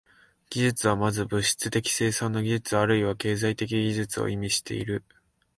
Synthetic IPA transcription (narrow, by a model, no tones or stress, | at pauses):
ɡ̥ʲiʑɨt͡sɨβamazɨbɯ̟ɕi̥t͡sɨt̪e̞kʲi̥se̞ːsãnːoɡʲiʑɨt͡sɨβːɾɯ̟iβake̞ːzait̪e̞k̬ʲiɡʲiʑɨt͡sɨo̰ʔimʲiɕi̥t̪e̞̰ḭɾɯ̟